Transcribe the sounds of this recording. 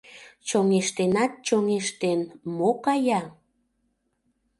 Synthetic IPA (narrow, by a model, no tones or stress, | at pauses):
t͡ɕoŋeʃt̪enɑt̪̚t͡ɕoŋeʃt̪enmokɑjɑ